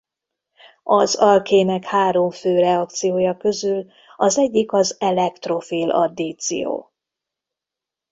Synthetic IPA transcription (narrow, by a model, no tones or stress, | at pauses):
ɒzɒlkeːnɛkhaːɾo̞ɱføːɾɛɒk̚t̪sijoːjɒkø̞zyl | ɒzɛɟːikɒzɛlɛkt̪ro̞fiːlɒ̰d̪iːt̪sḭjo̰ː